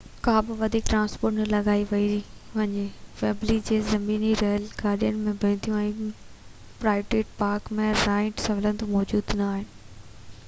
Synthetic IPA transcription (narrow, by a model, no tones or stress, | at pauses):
kãːbɪʋɐd̪ʱiːk̚ʈɾãːnspoːɾʈnəlɐɡaːiʋɐi | ʋɐɲeʋeːblid͡ʑeːzɐmiːniɾɛːlɡaːɾɗijənɪ̆mẽbʱɐɪ̃nt̪ʰijũɛ̃ː | pɾaːɪʋʈeːʈ̚paːɾkmẽːaːɪ̃ʈsɐʋlənt̪omɔːd͡ʑuːd̪naaːɦɪnɪ̆